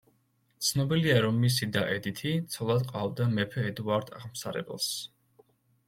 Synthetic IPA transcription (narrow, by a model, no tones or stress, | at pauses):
t̪sʰnɔbiliaɾɔmːis̬id̪aʔɛd̪it̪ʰit̪sʰɔlˠad̪qʼavd̪amɛpʰɛɛd̪uaɾd̪ʰaʁmsaɾɛ̰bɛ̰lˠs